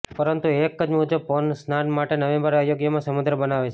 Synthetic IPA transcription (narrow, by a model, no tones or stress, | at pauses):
pəɾənt̪uekːəd͡ʒmuɦd͡ʒəpɔnsnanmaʈenəʋẽmbəɾeajoɡjəmãsəmud̪ɾəbənaʋet͡ʃʰe